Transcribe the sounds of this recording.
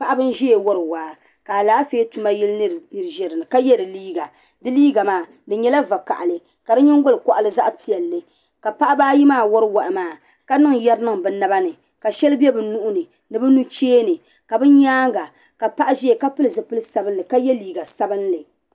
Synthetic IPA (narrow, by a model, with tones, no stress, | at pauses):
pa˦ʔa˦bɨ˦n̩˦ʒɛ˦e˨wɔ˦ɾɨ˨waː˨˦ | ka˨a˨laː˦feː˦tu˦ma˦jɛ˦lnɨ˦ɾnɨ˨ɾʒɛ˨ɾɨ˨nɨ˨ka˦jɛ˦dɨ˨liː˦ɡa˨ | dɨ˦liː˦ɡa˨maː˦˨ | dɨ˨ɲɛ˦la˦va˨ka̰˨ʔa˨lɨ˨ | ka˨dɨ˦ɲɛ˦ŋ˦ɡʊ˦lɨ˨kɔ˨ʔa˨lɨ˦za˦ʔpi˨ɛ˨lːɨ˨ | ka˨pa˦ʔa˦baː˦ji˦maː˦˨wɔ˦ɾɨ˦wa˨ʔmaː˦˨ | ka˦nɨ˦ŋjɛ˦ɾnɨ˦ŋbɨ˨na˦ba˦nɨ˨ | ka˨ʃɛ˦lɨ˦bɛ˦bɨ˨nu˦ʔʊ˦nɨ˨ | nɨ˨bɛ˦nu˦t͡ʃeː˦nɨ˨ | ka˨bɨ˦ɲaː˦ŋɡa˨ | ka˨pa˦ʔa˦ʒɛ˦e˨ka˦pɨ˦lɨ˨zɨ˨pɨ˦lɨ˦sa˨bɨ˦nlɨ˨ka˦jɛ˦liː˨ɡa˨sa˦bɨ˦nlɨ˨